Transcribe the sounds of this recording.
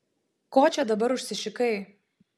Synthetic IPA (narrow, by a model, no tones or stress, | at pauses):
koːt͡ʃʲɛd̪ɐbɐɾʊʃʲsʲɪʃʲɪkɐɪ